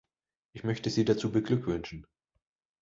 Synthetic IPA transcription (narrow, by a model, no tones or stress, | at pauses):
ʔɪçmœçtəziːdat͡suːbəɡlʏkv̥ʏnʃn̩